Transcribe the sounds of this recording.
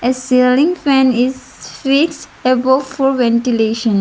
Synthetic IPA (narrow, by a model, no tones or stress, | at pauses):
esilĩŋfɛ̃nɪz | fiksʈ | ebɔfɔʋɛ̃nʈileːʃə̃n